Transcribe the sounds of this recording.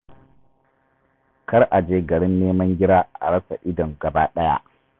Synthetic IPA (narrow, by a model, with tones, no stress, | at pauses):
kɐ˦rʔa˨d͡ʒeː˦ɡɐ˨ɽɪ˦nːeː˦mɐ˦ŋɡʲɪ˦ɾaː˦ʔa̰˨ɽɐ˦sa̰˨ʔɪ˦dɔ˨ŋɡɐ˨baː˦ɗɐ˦ja̰˦ʔ